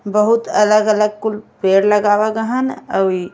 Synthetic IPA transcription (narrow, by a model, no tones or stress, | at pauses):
bəɦʊt̪ələɡələɡ̚kʊlpeːɾləɡaːwaɡəɦənəi